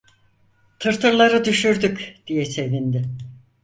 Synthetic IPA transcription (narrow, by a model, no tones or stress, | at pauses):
t̪ʰɯɾt̪ʰɯɾlˠaɾɯd̪yʃyɾd̪ykd̪̥ijɛse̞vind̪ɪ